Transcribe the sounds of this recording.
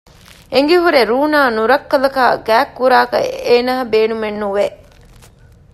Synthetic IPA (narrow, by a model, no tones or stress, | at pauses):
eŋɡeɦuɾeɾuːnaːnuɾɐkːɐlɐkaːɡæːkːuɾaːkɐ̰eːnaːɐbeːnumenːuʋeʔ